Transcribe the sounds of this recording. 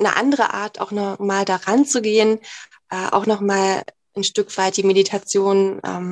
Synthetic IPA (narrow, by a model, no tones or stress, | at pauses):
nə̰ʔa̰ndəʁə̰ʔa̰ːɐtʰa̰ʊxnɔχmaːldaʁant͡suɡeːən | ʔɛːʔa̰ʊxnɔχmaːl | ʔnʃtʏkv̥aɪt̚d̥iːmeditʰat͡sjoːnʔɛ̰ːm